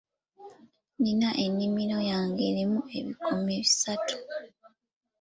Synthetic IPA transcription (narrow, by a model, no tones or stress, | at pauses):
ninaʔe̞nːimilo̞jaːŋɡelemue̞βikumeβisatu̥